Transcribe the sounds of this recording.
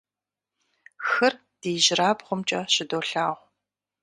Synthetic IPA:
xɐr | d̥iːʑɪɾaːbʁʷʊmt͡ʃʼɐɕɪdoːɬaːʁʷ

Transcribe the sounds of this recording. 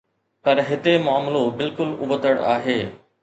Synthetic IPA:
pɐɾɦɪt̪emʊaːmlobɪlkʊlʊ̰bət̪əɽa̰ːɦeː

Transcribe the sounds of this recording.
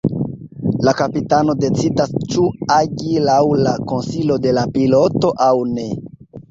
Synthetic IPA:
lakapitano̞de̞t͡sidast͡ʃuaɟilawlako̞nsilo̞de̞lapilo̞to̞ʔawne̞

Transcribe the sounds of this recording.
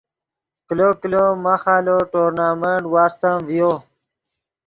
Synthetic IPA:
kilokilomaxaːloʈoːɾnaːmeɳʈwaːst̪amvijo

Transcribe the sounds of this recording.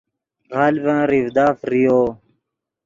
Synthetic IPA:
ɣɑːlbãːɾivd̪aːfɾijoː

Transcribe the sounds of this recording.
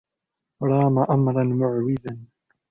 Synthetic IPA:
ɾˤɑːmaʔamɾˤɑnmʊʕwɪðan

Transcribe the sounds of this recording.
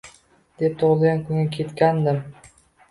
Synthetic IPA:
d̪̥e̞p̚t̪ʰoʁɨlˠɡʲankʰʊŋɡʲakʲʰe̞t̪kʲand̪ɪm

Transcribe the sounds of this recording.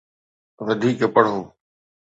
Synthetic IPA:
ʋəd̪ʱiːkpəɽ̤ɦoː

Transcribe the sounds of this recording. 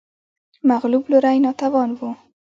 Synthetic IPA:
maɣlublʊɾajnɑt̪awɑnwu

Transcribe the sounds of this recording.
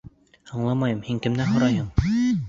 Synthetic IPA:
ɑɴlˠɑmɑjɤmhiŋkɘ̆mnæɦŏɾɑjɦɤm

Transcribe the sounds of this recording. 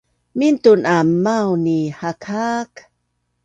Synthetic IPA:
mint̪unʔammːawnihakʰak

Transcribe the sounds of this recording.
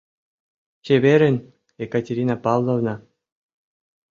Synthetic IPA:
ɕeβʲeɾʲɘ̆nʲ | ekatʲeɾʲinɑpɑlˠnovnɑ

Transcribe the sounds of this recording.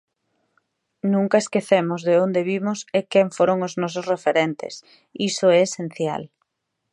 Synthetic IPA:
nũŋkɐeskeθemʊzðeond̪eβimʊsekɛɱfoɾoŋʊznɔs̬ʊsrefeɾent̪ḛs | isʊɛːsen̟θja̰l

